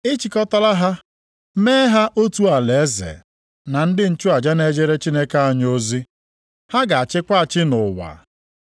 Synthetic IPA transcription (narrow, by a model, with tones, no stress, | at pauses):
ɪ˦t͡ʃi˨kɔ˦ta˦la˦ɦa˦ | meː˦ɦa˦ʔo˦tu˦a˨le˨˦zḛ˨ | na˨n̩˦dɪ˦n̩˦t͡ʃu˦a˨d͡ʒa˦ne˦d͡ʒe˦ɾe˦t͡ʃi˦ne˦ke˦a˨ɲo˦zi˦ | ha˦ɡa˨a˨t͡ʃɪ˦kʷa˦a˨t͡ʃɪ˦nʊ˨wa̰˨